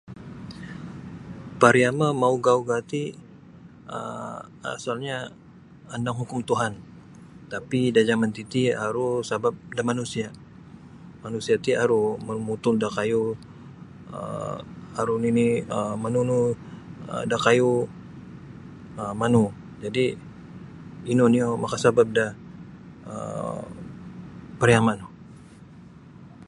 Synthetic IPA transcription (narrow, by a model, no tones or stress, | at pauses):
paɾiamamauɡauɡat̪i | ə̰a̰salɲa | andaŋɦukʊmt̪uɦan | t̪apidad͡ʒamant̪it̪iaɾusabap̚damanusia | manusiat̪iaɾuməmut̪ʊldakaju | ə̰ | aɾuniniəmanunu | ə̰dakaju | əmanu | d͡ʒadi | inoniomakasabap̚dah | ə̰ | pəɾjamanu